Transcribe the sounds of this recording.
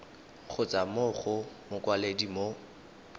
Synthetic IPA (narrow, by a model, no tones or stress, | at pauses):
χʊt͡sʼamʊχʊmʊkwaledimo